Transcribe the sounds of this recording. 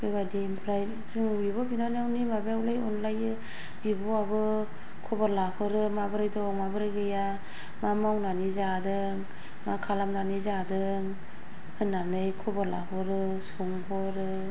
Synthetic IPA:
pɯjbadimpʰɾaj | zɯŋbibɔbinanawnimabawlajɔnlajɯ | bibɔabɯ | kʰɔbaɾlapʰɯɾɯmabɯɾajdɔŋmabɯɾajɡɯja | mamawnanizadɯ | ŋ | makʰalamnanizadɯ | ŋ | hɯnːanɯjkʰɔbaɾla̰pʰɯɾɯ | suŋpʰɔɾɯ

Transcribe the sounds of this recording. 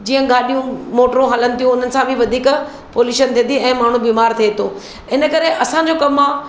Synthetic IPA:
d͡ʑiːə̃ɡaːɗijũmoːʈɾũɦɐlənɪ̆t̪ʰijũʊn̤ənɪ̆sãbʱĩʋɐd̪ʱiːk | poːljuːʃənt̪ʰĩːnd̪iɛ̃ːmaːɳ̤ũbiːmaːɾt̪ʰiet̪oː | ɪnə̆kɐɾeʔɐsãd͡ʑoːkɐmːã

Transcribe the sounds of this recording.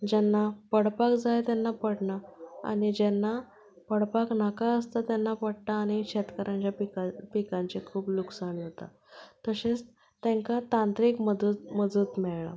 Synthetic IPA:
d͡ʑɛnːapəɽpakd͡zajt̪ɛnːapəɽɳaa̰ɽ̃id͡ʑɛnːa | pəɽpaknakaəst̪at̪jɛnːapəɽt̪aːɽ̃ikɕɛt̪kəɾʔãɲt͡ɕjapikapikãɲt͡ɕekʰuːpluksaɳjet̪a̰ | t̪əɕet͡s | t̪ɛ̃ŋkat̪ãnt̪ɾiːkməd̪məd͡zʱuːt̪mɛɭɳa̰

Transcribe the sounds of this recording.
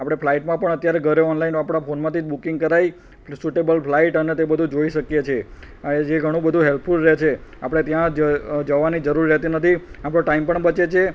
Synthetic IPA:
apɽ̃epʰlaiʈmãpəɳət̪jaɾeɡʱəɾjoɔnlainapɽ̃aponmãt̪id͡ʒbukɪŋɡ̚kəɾai | suʈebəlplaiʈənet̪ebəd̪ʱũd͡ʒoiʃəkjet͡ʃʰe | ed͡ʒeɡʱəɽ̃ũbəd̪ʱũɦelpʰfulɾet͡ʃʰeapɽ̃et̪jãd͡ʒəd͡ʒəʋːanid͡ʒəɾuɾijət̪inət̪ʰiapɽ̃õʈaimpəɳbət͡ʃet͡ʃʰe

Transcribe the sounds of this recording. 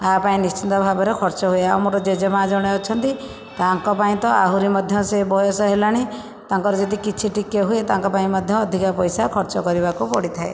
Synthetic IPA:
apaĩnist͡ʃind̪ɔbʱabɔɾekʰɔɾt͡ʃɔɦueawmoʈɔd͡ʒed͡ʒɔmad͡ʒɔɽ̃eɔt͡ʃʰɔnt̪i | t̪aŋkɔpaĩt̪ɔʔa̰ɦuɾimɔd̪ʱjɔsebɔjɔsɔɦelaɽ̃i | t̪aŋkɔɾɔd͡ʒɔd̪ikit͡ʃʰiʈikeɦuet̪aŋkɔpaĩmɔd̪ʱjɔːd̪ʱikapɔjsakʰɔɾt͡ʃɔkɔɾibakupɔɽit̪ʰae

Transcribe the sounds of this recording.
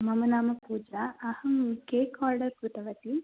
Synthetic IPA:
mɐmɐnaːmɐpuːd͡ʒaɐhɐmkeːkaːɾɖɐɾkɾut̪ɐʋɐt̪i

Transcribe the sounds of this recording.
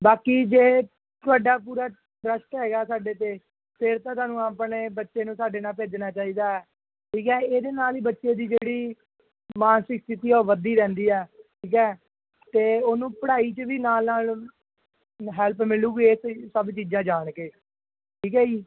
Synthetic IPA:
baːkiːd͡ʒeː | t̪ʊaːɖaːp̬uːɾaː | ɾəʃʈɦɛːɡaːsaːɖeːt̪eː | pʰɪɾt̪ãːt̪ʊaːnũːaːpɳeːbətːʃeːnũːsaːɖeːnaːlp̬eːd͡ʒnaːt͡ʃaːiːd̪aːɛː | ʈʰiːkɛːeːd̪eːnaːliːbətːʃeːd̪iːd͡ʒeːɽiː | maːnʃɪkt̪ɪt̪iːoːʋəd̪iːɾɛ̃ːnd̪iːɛːʈʰiːkɛː | t̪eːoːnũːpəɽaːiːt͡ʃəʋiːnaːlnaːl | ɦɛːlpmɪluːɡieːssəbt͡ʃiːd͡ʒãːd͡ʒaːɳkeː | ʈʰiːkɛːiː

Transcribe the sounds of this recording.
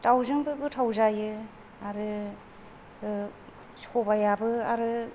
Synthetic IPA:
tawzɯŋbɯɡɯtʰawzajɯ | aɾɯ | ɯ | sobajabɯaɾɯ

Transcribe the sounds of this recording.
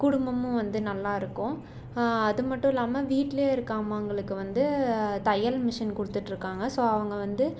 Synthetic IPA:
kʊɽʊmbɐmʊ̃ʋɐnd̪ɯnɐlːaːɪɾɯkːʊ̃ | ɐðɯmɐʈːʊ̃ɪlːaːmɐʋiːʈːleːɪɾɯkːaːmɐʊŋɡɐɭɯkːɯʋɐnd̪ɯt̪ɐjɐlmɪʂɐnkʊɽɯt̪ːɯʈːɪɾɯkːaːŋɡɐsoːɐʋɐŋɡɐʋɐnd̪ɯ

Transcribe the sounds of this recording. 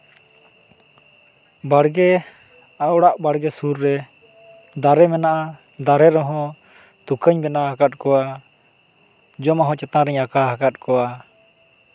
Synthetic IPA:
baɽɡɛ | aɔɽaʔbaɽɡɛsuɾːɛ | d̪aɾɛmɛnaʔa | d̪aɾɛɾɔɦɔ̃ | t̪ukəɲbɛnaɦakat̪̚ˀkɔwa | d͡ʒɔmaɦɔ̃t͡ʃɛt̪ãɾɛɲakaɦakat̪̚ˀkɔwa

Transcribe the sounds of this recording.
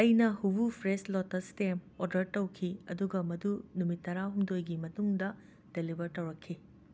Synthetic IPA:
ɐjnɐhubupʰɾeslotːɐstemoɾdɐɾtɐwkʰiɐ̰duɡɐmɐdunumitːɐɾaɦumdojɡimɐtuŋdɐ | d̥elibʱɐɾtɐwɾɐkʰːi

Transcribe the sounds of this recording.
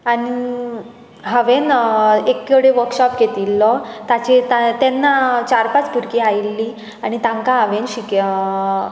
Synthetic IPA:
aɽi | ɦəʋenekːeɽeʋəɾkɕɔpɡet̪ilːɔt̪at͡ɕet̪at̪ɛnːat͡ɕaɾpat͡spuɾkeajlːi | aɽ̃it̪ãŋkaɦəʋenɕik

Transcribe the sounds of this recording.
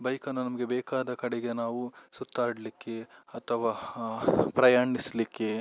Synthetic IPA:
bɐjkɐnːunɐmɐɡe̞beːkaːd̪ɐkɐɽeɡe̞naːʋusut̪ːaːɽlikːe̞ɐt̪ʰɐʋaː | pɾɐjaːɳislikːe̞

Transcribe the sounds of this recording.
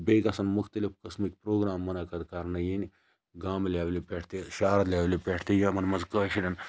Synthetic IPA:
beːɡɐsɐnmʊxt̪ɐlifkɐsmik̚pɾoːɡɾaːmːɐnɐkɐd̪kɐɾnɐjini | ɡaːmlʲeːʋlipʲeʈʰt̪eʃaːɾɐlʲaːʋlipʲeːʈʰt̪ejimɐnmɐzkɐːʃiɾʲɐn

